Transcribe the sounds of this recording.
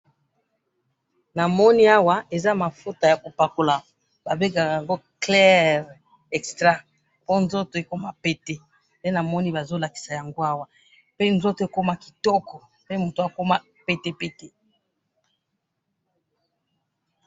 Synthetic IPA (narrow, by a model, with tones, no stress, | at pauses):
na˨mɔ˦ni˦a˦wa˦e˨za˦ma˨fo˦ta˨ja˨ko˨pa˨ko˨la˨ | ba˨be˦ɡa˨a˨ja˨ŋɡo˦klɛ˦ʁ | ɛ˨kstʁa˦ | po˦nzo˦to˨e˨ko˦ma˦pe˦te˦ | pe˦na˨mɔ˦ni˦ba˨zo˦la˨ki̥˨sa˨ja˨ŋɡo˦a˦wa˨ | pe˦nzo˦to˨e˨ko˦ma˦ki̥˨tɔ˦kɔ˨ | pe˦mo˨to˨a˨ko˦ma˦ | pe˦te˦pe˦te˨